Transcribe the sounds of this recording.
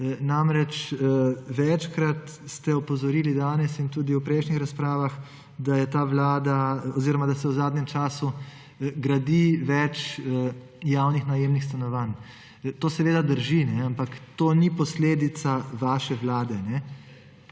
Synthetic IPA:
namɾɛt͡ʃ | ʋɛt͡ʃkɾat̪st̪ɛɔpɔzɔɾiːlid̪aːnɛsint̪uːd̪iupɾɛɪjʃnixɾaspɾaːʋax | d̪ajɛt̪aːʋlaːd̪aɔziːɾɔmad̪asɛwzaːd̪nʲɛmt͡ʃaːsu | ɡɾad̪iʋɛt͡ʃ | jaːwnixnajemnixst̪anɔʋan | t̪oːsɛʋeːd̪ad̪əɾʒinɛampakt̪oːnipɔsleːd̪it̪saʋaːʃɛʋlaːd̪ɛnɛ

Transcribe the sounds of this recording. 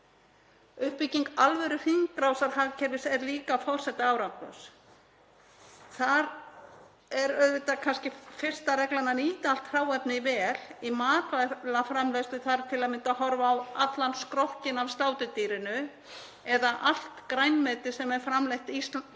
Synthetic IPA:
ʏhpiciŋkalvɛɾʏfiŋkɾawsaɾ̥haːɣcʰɛɾvɪsɛɾliːkafɔr̥sɛht̪ːaaːwɾawkʏ̰s | θaɾ | ɛɾœðvɪt̪akʰanscɪfɪr̥st̪aɾɛklananiːt̪al̥t̪hraːwɛpnɪvɛːlimaːt̪alafɾamlœst̪ʏθaɾt̪ʰɪlaðmɪnt̪aɦɔɾvaːwat̪lanskɾowhcɪnavst̪aːwt̪ʏt̪iːɾɪnʏ | ɛðaʔal̥t̪kɾajnmɛːt̪ɪ̥sɛmɛɾ̥fɾamlejht̪is

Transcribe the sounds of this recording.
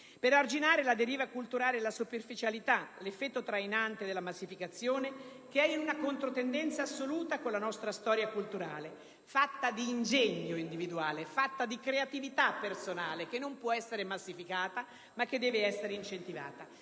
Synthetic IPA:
peɾard͡ʒinaːɾelad̪eɾiːvakult̪uɾaːlelasuperfit͡ʃalit̪alefːɛt̪ːot̪ɾajnant̪ed̪elamasːifikat̪sːjoːnekeɛunakont̪ɾot̪end̪ɛnt̪saːsːoluːt̪akolːanɔst̪ɾast̪ɔːɾjakult̪uɾaːle | fat̪ːad̪iːnd͡ʒeɲːoind̪ivid̪uaːlefat̪ːad̪ikɾeat̪ivit̪apːersonaːlek̟enːompwɔɛsːeɾemasːifikaːt̪a | makːed̪ːɛːveɛsːeɾeint͡ʃent̪iva̰ːt̪a

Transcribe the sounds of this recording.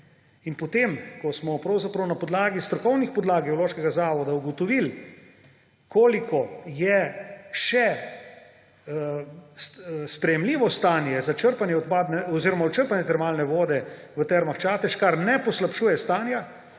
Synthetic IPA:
inpɔt̪emkɔsmɔpɾɐwzapɾɐwnapɔd̪laːɡist̪ɾɔkɔwnixpɔd̪laːɡiowloːʃkɛɡazaːʋɔd̪auɡɔt̪ɔʋil | kʰoːlikʰɔjɛʃɛ | sspɾɛjɛmliːʋɔst̪aːnjɛzat͡ʃəɾpanjɛɔt̪paːd̪nɛɔziːɾɔmaɔt͡ʃəɾpanjɛt̪ɛɾmaːlnɛʋoːd̪ɛ | ʋət̪ɛɾmaxt͡ʃaːt̪ɛʃkaɾnɛpɔslapʃuːjɛst̪aːnja

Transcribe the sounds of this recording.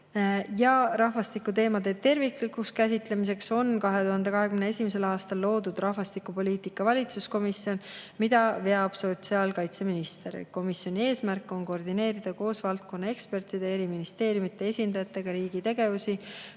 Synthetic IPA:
jɑrɑɦvɑst̪ikːut̪e̞ːmɑd̪et̪e̞rviklikːˑukskæs̬ʲit̪le̞mis̬e̞kso̞nkɑɦe̞t̪uɦɑnd̪e̞kɑɦekymnee̞sʲimes̬e̞lɑːst̪ɑlːo̞ːd̪ud̪̥rɑhvɑst̪ikːˑupo̞lʲiːt̪ikːˑɑvɑlʲit̪susko̞misːio̞nmid̪̥ɑve̞ɑb̥so̞t̪siɑːlkɑjt̪se̞minist̪eɾḛko̞misjo̞nʲie̞ːsmærkˑːo̞nko̞rd̪ine̞ːɾid̪̥ɑko̞ːsvɑlt̪̚ko̞nːɑe̞kspe̞rt̪ˑid̪ee̞ɾiminist̪e̞ːɾjumit̪ːˑe̞e̞sʲind̪ɑjɑt̪ːˑe̞ɡ̥ɑɾiːɡ̥it̪e̞ɡ̥e̞vusi

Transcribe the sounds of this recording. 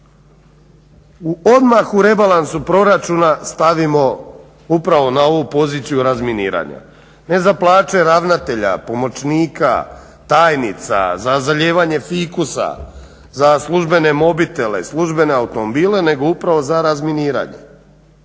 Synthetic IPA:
uʔo̞d̪maxuɾe̞balansupɾo̞ɾat͡ʃunast̪aʋimo̞ | upɾaʋo̞nao̞ʋupo̞ziːt̪sijuɾazminiːɾa̰ɲa̰ | ne̞zaplˠaːt͡ʃe̞ɾaʋnat̪e̞ʎa̰po̞mo̞t͡ʃniːka̰ | t̪aːjnit̪sa̰zazaʎeːʋaɲe̞fikusa̰ | zaslˠuʒbe̞ne̞mo̞bit̪e̞le̞̰slˠuʒbe̞ne̞aut̪o̞mo̞biːle̞ne̞ɡo̞upɾaʋo̞zaɾazminiːɾa̰ɲḛ

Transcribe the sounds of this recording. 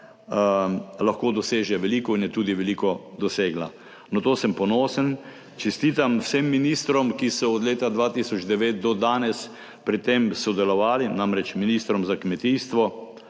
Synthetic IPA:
laxkoːd̪ɔseːʒɛʋɛliːkɔinjɛt̪uːd̪iʋɛliːkɔd̪ɔseːɡla | nɔt̪oːsəmpɔnoːsən | t͡ʃɛst̪iːt̪amwsemːiniːst̪ɾɔmkisɔɔd̪leːt̪ad̪ʋat̪isɔd͡ʒd̪ɛʋeːt̪̚d̪ɔd̪aːnɛs | pɾit̪emsɔd̪ɛlɔʋaːlinamɾɛt͡ʃminiːst̪ɾɔmzakmɛt̪ist̪ʋɔ

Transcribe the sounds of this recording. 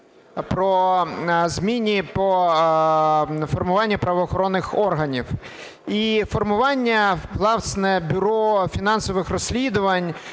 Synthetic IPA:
pɾɔ | zmʲinʲipɔ | fɔrmʊʋɑnʲːɐpɾɐʋɔːxɔɾɔnːɪxɔrɦɐnʲiw | ifɔrmʊʋɑnʲːɐvlˠɑsnɛbʲʊɾɔfʲinɑnsɔʋɪxrɔsʲlʲid̪ʊʋɐnʲ

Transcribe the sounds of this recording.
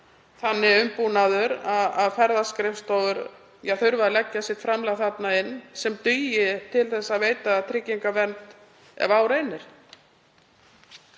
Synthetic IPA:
θanːɪʏmpunaðʏɾaðaðfɛɾðaskɾɪfst̪owvʏɾ | jɛθʏɾvaalɛcːasɪt̪fɾamlaɣθat̪naɪnːsɛmt̪ʏːjɪt̪ʰɪlθɛsːaðveːjt̪aːðt̪ʰɾɪcːiŋkavɛnt̪ | ɛ̰vaːwɾejnːɪɾ̥

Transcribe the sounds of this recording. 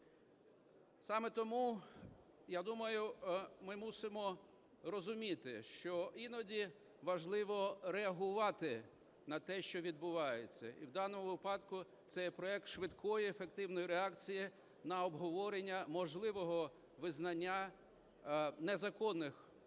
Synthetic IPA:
sɑmɛt̪ɔmu | jad̪umɐjʊmɪmusɪmɔ | rɔzʊmʲit̪ɪʃt͡ʃɔinɔdʲi | ʋɐʒlˠɪʋɔɾeɐɦʊʋɑt̪ɪ | nɐt̪ɛʃt͡ʃɔʋʲid̪̚bʊʋɑjet͡sʲːɐ̰ḭwd̪ɑnɔmʊʋɪpɑd̪kʊ | t̪sɛjɛpɾɔɛk̚t̪ʃʋɪd̪kʰɔjiefek̚t̪ɪwnɔjiɾeɑkt͡sʲiji | nɐɔbɦɔʋɔɾenʲːɐmɔʒlˠɪʋɔɦɔ | ʋɪznɐnʲːa | nɛzɐkɔnːɪx

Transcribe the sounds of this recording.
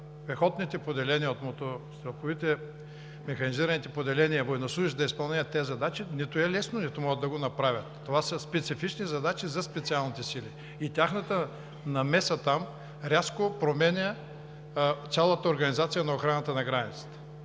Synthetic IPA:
pɛxɔt̪nit̪ɛpod̪ɛlɛniəot̪mot̪ost̪ɾɐxovit̪ɛ | mɛxɐniziɾɐnit̪ɛpod̪ɛlɛniəvojnoslˠuiʒd̪ɐispɐlˠnɛət̪ːɛzɐd̪at͡ʃinit̪ʊɛlɛsnonit̪ʊmɔɡəd̪ːɐɡonɐpɾavʲɐt̪ːovasəspɛt̪sifit͡ʃnizɐd̪at͡ʃizɐspɛt̪sialˠnit̪ɛsili | it̪ʲaxnət̪ə | nɐmɛsət̪am | ɾʲaskopɾomɛnʲə | t̪sʲalˠət̪əoɾɡɐnizat̪sijənɐoxɾanət̪ənɐɡɾanʲḭt̪sə̥t̪ə̥

